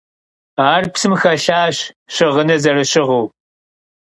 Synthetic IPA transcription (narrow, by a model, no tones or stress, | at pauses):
aːrpsɨmxɐɬaːɕ | ɕɪʁənɐzɐrɐɕɪʁəw